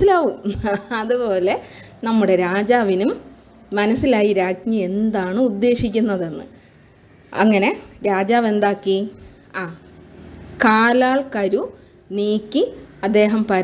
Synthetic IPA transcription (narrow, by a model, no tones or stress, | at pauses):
ilaːʋumɐðupo̞ːle̞nɐmːuɽe̞ɾaːd͡ʑaːʋinumː | ɐnɐsːilaːjiɾaːɡɲɐe̞nd̪aːɳɨud̪ːe̞ːʂikʲːunːɐðenːɨ̰ | ɐ̰ŋːɐne̞ɾaːd͡ʑaːʋe̞nd̪aːkːi | aː | kaːlaːɭkɐɾu | niːkʲːiɐd̪ːe̞ːɦɐmpɐɾ